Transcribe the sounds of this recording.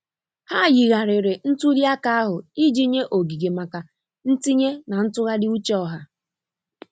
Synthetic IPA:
ha˦˨ɣi˨ɣa˨ɾɪ˨ɾe˨n̩˦tu˦ɾja˦ka˦a˦ɦʊ˨i˦d͡ʒi˦ɲe˦ʔo˨ɡi˨ɡe˨ma˨ka˨ | n̩˦ti˦ɲe˦na˨n̩˦tʊ˦ɣa˦dɪ˦u˦t͡ʃɔ˦˨ɦa˦

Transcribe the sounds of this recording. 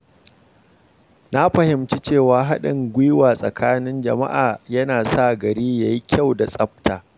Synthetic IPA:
na˦ɸɐ˨hɪ˨mt͡ʃi˦t͡ʃeː˦˨waː˨ɦa˦ɗɪ˨ŋɡʷi˦waː˨sʼɐ̰˨kʰaː˦nɪ˦nd͡ʒɐ̰˨ma̰˦ʔaː˨jɐ˦naː˨sa˦˨ɡɐ˨ɾiː˦ja˨ji˦kʲʰa˦˨wda˨sʼɐ˦ɸ̚taː˨

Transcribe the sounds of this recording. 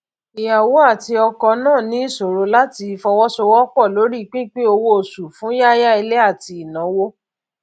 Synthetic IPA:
i˨ja˨wo˨˦a˦˨ti˧ɔ˧kɔ˧nãː˦˨nĩ˨˦i˦˨so˨ɾo˨˧˦la˦ti˧fɔ˧wɔ˦so˧wɔ˦k͡pɔ˦˨lo˨˦ɾi˦˧k͡pĩ˦k͡pe˦o˧wo˦o˨su˨fũ˨˦ja˦ja˦i˧le˦a˦˨ti˧i˨nã˨˦wo˦

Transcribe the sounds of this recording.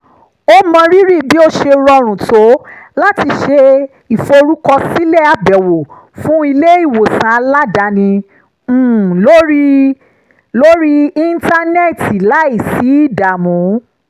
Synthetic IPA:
o˧˦mã˧ɾi˦ɾi˦˨bi˦o˦˧ʃe˧ɾɔ˧ɾ̃ũ˨to˨˦la˦ti˧ʃe˧ | i˨fo˧ɾu˦kɔ˧si˦lɛ˦˨a˨bɛ˨wo˨ | fũ˦i˧le˦i˦˨wo˨sã˨˦a˧la˦da˨˦nĩ˧˦˨ | lo˦ɾi˦ | lo˦ɾi˦ĩ˦nta˧nɛ˦˨ti˨la˨˦i˦˨si˨˦i˦˨da˨mũ˨˦

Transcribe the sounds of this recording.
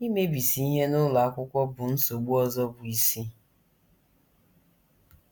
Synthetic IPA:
i˦me˦bi˨si˨i˦ɦe˦nʊ˦la˨a˦kʷʊ˦kʷɔ˦bʊ˨n̩˦so˨ɡ͡bu˦ɔ˦zɔ˦bʊ˨i˨si˦

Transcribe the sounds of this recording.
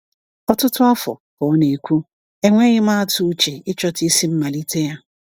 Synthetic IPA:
ɔ˦tʊ˦tʊ˦a˦fɔ̰˨kɔ˨˦ne˨kʰʷu˦ | ɛ˦ŋʷɛ˦ɣɪ˦mã˦tʰʊ˦t͡ʃɪ˨ɪ˦t͡ʃɔ˦tɪ˦si˦m̩˦ma˨li˦tʰe˦ja˦

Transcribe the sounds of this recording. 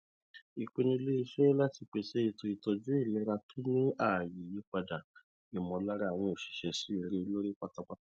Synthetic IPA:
i˨k͡pe˧nĩ˧le˦i˧ʃe˦la˦ti˧k͡pe˧˨ʃɛ˦i˧to˧i˧tɔ˧d͡ʒu˦i˦˨lɛ˨˦ɾa˧tʰo˦nĩ˦a˦˨ji˨ji˨˦k͡pa˧da˨ | i˨mɔ̃˧˦la˦ɾa˦a˨w̃ɔ̃˧o˨ʃi̥˨ʃɛ˧˨si˦i˧ɾe˧lo˦ɾi˦k͡pa˦ta˦˧k͡pa˦

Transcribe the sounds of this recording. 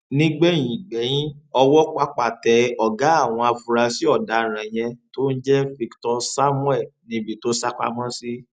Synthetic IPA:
nĩ˦ɡ͡bɛ˦˨j̃ĩ˨ɡ͡bɛ˨˦j̃ĩ˦ɔ˧wɔ˦k͡pa˧k͡pa˨tɛ˨ɔ˨ɡa˨˦a˦˨w̃ɔ̃˧a˧fu˧ɾa˧si˦ɔ˦˨da˨˧ɾ̃ã˨j̃ɛ̃˧to˦n̩˦d͡ʒɛ˦fi˦˧ktɔ˧sa˦mũ˦ɛ˦˨nĩ˧bi˨to˦sa˦k͡pa̰˦˧mã˦si˦

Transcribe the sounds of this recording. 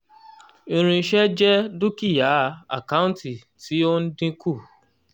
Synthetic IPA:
ĩ˧ɾ̃ĩ˧˦ʃɛ˦d͡ʒɛ˦du˦ki˦˨ja˨˦a̰˨ka˦ũ˦nti˨ | ti˨˦o˦n̩˦dĩ˦kʰu˦˨

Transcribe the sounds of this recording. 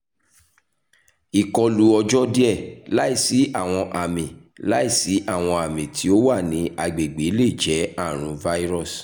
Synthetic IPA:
i˨kɔ˧lu˧ɔ˧d͡ʒɔ˦di˦ɛ˦˨la˨˦i˦˨si˨˦ʔa˦˨w̃ɔ̃˧ʔa˨mĩ˨ | la˨˦i˦˨si˨˦ʔa˦˨w̃ɔ̃˧a˨mĩ˨tʰi˨˦o˦wa˦˨nĩ˨˦a˧ɡ͡be˨ɡ͡be˨˦le˦˨d͡ʒɛ˨˦a˦˨ɾ̃ũ˨˧va˦i˦ɾɔ˦˨s

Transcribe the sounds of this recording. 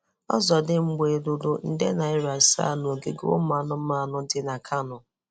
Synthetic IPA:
ɔ̰˦zɔ˨dɪ˦ŋ͡m̩˦ɡ͡be˨dʊ˦dʊ˦n̩˦˨de˦na˨ɪ˦ɾa˨sa̰˦nʊ˨o˨ɡe˦ɡo̰˦ʊ̰˦ma˨nʊ˦ma˨nʊ˦dɪ˨na˨kʰa˦nʊ˨

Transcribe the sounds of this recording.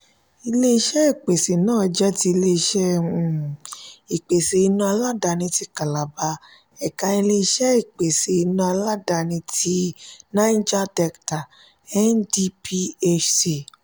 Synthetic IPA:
i˧le˧i˧ʃɛ˦i˦˨k͡pe˨se˨nãː˦˨d͡ʒɛ˦ti˧i˧le˧i˧ʃɛ˦ũ˧˨ | i˨k͡pe˨se˨i˧nũ˧a˧la˦da˧ñĩ˧ti˧ka˨la˨ba˧ | ɛ˨ka˧i˧le˧i˧ʃɛ˦i˨k͡pe˨se˨i˧nũ˧˦a˧la˦da˧nĩ˧ti˧˦nã˦d͡ʒa˦dɛ˧kta˨ | ɛ˦ndi˦pi˦e˧t͡ʃsi˨

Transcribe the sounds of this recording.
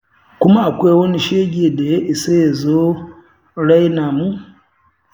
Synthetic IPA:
kʊ˦ma˦a˨kʷe˦wɐ˦ni˦ʃe˦ɡʲe˨da˨je˦ʔi˨se˦je˨zo˦ | ɽa˦jna˨mu˦

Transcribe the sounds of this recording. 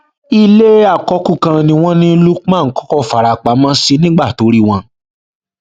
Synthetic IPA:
i˧le˦a˦˨kɔ˨˦kũ˦˨kã˧nĩ˧w̃ɔ̃˦nĩ˦˧lu˦ã˦˨˦kɔ̥˦kɔ˦˨fa˨ɾa˨k͡pa˨˦mã˦si˧nĩ˦ɡ͡ba˦˨to˨˦ɾi˦˨w̃ɔ̃˧

